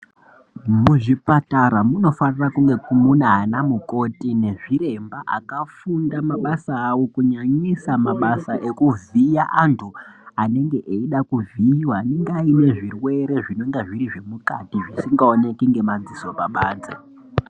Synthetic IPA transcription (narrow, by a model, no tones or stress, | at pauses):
muʐipataɾamuno̞fanirakuŋɡe̞kumunaɦanamuko̞tine̞ʐiɾe̞mbaʔa̰kafundamaɓasaːwo̞kuɲaɲisamaɓasaʔe̞kuvijaʔantʰuane̞ŋɡe̞ʔeiɗakuviiwaːne̞ŋɡeaine̞ʐirwe̞ɾe̞ʐino̞ŋɡeʐiɾiʐe̞mukatiʐisiŋɡaone̞kiŋɡe̞mand͡ziso̞paɓaːnd͡ze